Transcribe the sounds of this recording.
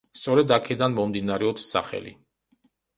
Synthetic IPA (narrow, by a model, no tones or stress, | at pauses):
st̪sʼɔɾɛd̪akʰɛd̪anmɔmd̪inaɾɛɔpsːa̰χɛ̰lḭ